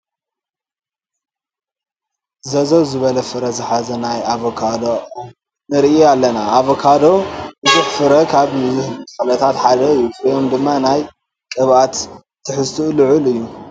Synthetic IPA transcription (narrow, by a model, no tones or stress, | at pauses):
zɐzowzɨβɐlɐfɨɾɐzɨħazɐnajaβokʰad̪o | nɨɾʔialːɐnaʔaβokʰad̪o̞bɨzɨħfɨɾɐkʰaβh̪fɐlɐt̪ʰat̪ħad̪ɐɨjːufjomd̪ɨmːanaj | kʼɨβat̪ʰː | ɨħɨst̪ʰulɨʕulɨjːu